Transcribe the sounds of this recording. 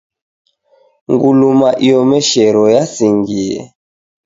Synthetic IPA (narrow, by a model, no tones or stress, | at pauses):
ŋɡulumaʔijɔmɛʃɛɾɔjasiŋɡiɛ̰